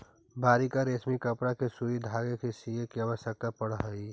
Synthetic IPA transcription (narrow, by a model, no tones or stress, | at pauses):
baːɾikaɾeːsmikəpɽakesuɾid̪ʱaːɡekesijekiabəsjək̚t̪apəɽɦəi